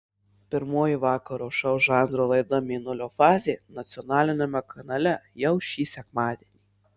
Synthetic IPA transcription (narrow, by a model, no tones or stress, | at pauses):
pʲɪɾmoːjiʋɑːkɐɾoːʃɐʊʒɑˑnd̪ɾoːlˠɐɪd̪ɐmʲiːnʊlʲoːfɑːzʲeːnɐt̪sʲɪɔnɑːlʲɪnʲɛmʲɛkʰɐnɐlʲɛjɛʊʃʲiːsʲɛkmɑːd̪ʲeɛnʲiː